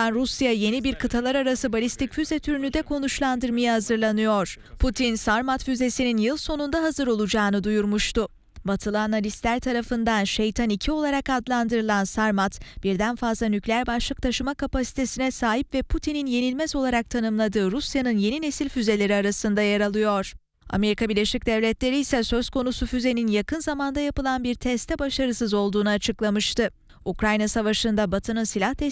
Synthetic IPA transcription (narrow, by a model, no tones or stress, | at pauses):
anɾusjaje̞nibiɾkʰɯt̪ʰalˠaɾaɾasɯbalʲist̪ʰicfyzɛt̪ʰyɾynyd̪ɛkʰo̞nuʃlˠand̪ɯɾmajahazɯɾlˠanɯjo̞ɾ̥pʰut̪ʰinsaɾmat̪fyze̞sininjɯlˠso̞nund̪aɦazɯɾo̞lˠud͡ʒaːnɯd̪ujuɾmuʃt̪ʊ | bat̪ʰɯlˠanalʲist̪lʲæɾt̪ʰaɾafɯnd̪anʃejt̪ʰanicʰio̞lˠaɾakad̪lˠand̪ɯɾɯlˠansaɾmat̪b̥iɾd̪ænfazlˠanyclʲeæɾbaʃlˠɯk̚t̪ʰaʃɯmakʰapasi̥t̪ʰe̞sinɛsaːɦipvɛpʰut̪ʰininje̞nilʲmɛzo̞lˠaɾak̚t̪ʰanɯmlˠad̪ɯːɾusjanɯnje̞nine̞silʲfyze̞lʲe̞ɾiaɾasɯnd̪ajaɾalˠɯjo̞ɾ̥ | a̰me̞ɾikʰabiɾlʲe̞ʃic̚d̪ɛvlʲɛt̪lʲe̞ɾiːsɛsø̞z̥kʰo̞nusufyze̞ninjakɯnzamand̪ajapɯlˠanbiɾt̪ʰɛst̪ʰɛbaʃaɾɯsɯzo̞lˠd̪uːnuat͡ʃʰɯklˠamɯʃt̪ʰɯ | ukɾajnasavaʃɯnd̪abat̪ʰɯnɯnsilʲaht̪ʰɛ